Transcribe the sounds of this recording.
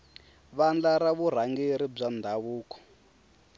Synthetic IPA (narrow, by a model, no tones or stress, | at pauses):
βand͡ɮaɾaβuɾ̤aŋɡeɾib͡ʐand̪ʱaβuːkɔ̥